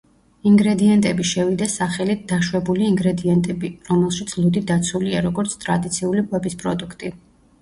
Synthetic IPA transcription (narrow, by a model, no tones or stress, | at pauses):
iŋɡɾɛd̪iɛnt̪ʼɛbiʃɛvid̪asaχɛlit̪̚d̪̥aʃwɛbuliːŋɡɾɛd̪iɛnt̪ʼɛbiɾɔmɛlˠʃit̪sʰlˠud̪id̪at̪sʰuliaɾɔɡɔɾt̪sʰt̪ʼɾad̪it̪sʰiuliqʼwɛbispʼɾɔd̪ukʰt̪ʼi